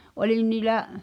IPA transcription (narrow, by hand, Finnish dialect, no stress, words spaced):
ʔolin niːlæʔ